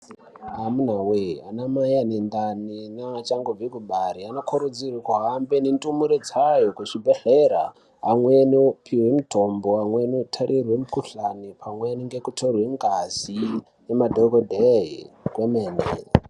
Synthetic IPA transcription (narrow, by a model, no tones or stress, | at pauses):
ɦamunaweanamajanendaninat͡ʃaŋɡob͡vikuɓaɾianokʰoɾud͡zirikuɦambenentʼumuɾed͡zajokuʐibʱeɬeɾa̰ | ɦːmwenopʰiwemutʰomboamwenotʰaɾʔirwemukuɬanipʰamweniŋɡekutʰorweŋɡaz̥i | jemadʱokodʱeɦḭkwemeːnḛ